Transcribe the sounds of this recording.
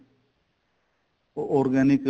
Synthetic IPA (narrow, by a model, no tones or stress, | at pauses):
oɾɡanik